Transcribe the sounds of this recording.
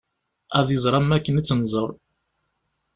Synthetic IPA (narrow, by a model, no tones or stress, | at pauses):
æðjəzˤɾˤɑmːækːənit͡sːənzˤəɾˤ